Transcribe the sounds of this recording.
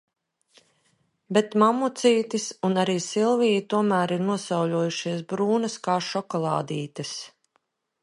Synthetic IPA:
bɛt̪mamut̪siːt̪isunaɾiːsilˠvijit̪uɔmæːɾiɾnuɔsawʎʲuɔjuʃiɛs̬bɾuːnɐskaːʃɔkɔlˠɑ̰ːd̪iːt̪ɐs

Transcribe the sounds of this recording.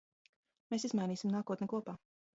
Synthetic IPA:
meːsizmajniːsimnaːkuɔt̪nʲkuɔpaː

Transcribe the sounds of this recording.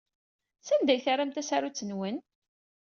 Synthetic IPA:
sænd̪æjθaɾamt̪æsaɾut͡sːənwən

